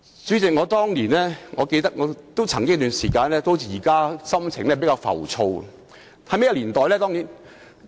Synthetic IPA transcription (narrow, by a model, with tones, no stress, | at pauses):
t͡syː˨˥t͡sɪ˨k̚ŋɔː˨˧t̪ɔː˥ŋliː˨˩nlɛː˥ŋɔː˨˧ke˧jt̪ɐ˥k̚ŋɔː˨˧t̪o˥wt͡sʰɐ˨˩ŋkɪ˥ŋ˥t̪yː˨nsiː˨˩kaː˧nlɛː˥t̪o˥wʰi˨˩jiː˨˩kaː˥sɐ˥mt͡sʰɪ˨ŋlɛː˥˩pe˨˥kaː˧wfɐ̰˨˩wt͡sʰo˧w̰ | hɐ˨˧jme˥jɐ˧˩liː˨˩nt̪ɔː˨jlɛː˥t̪ɔː˥ŋniː˨˥˩n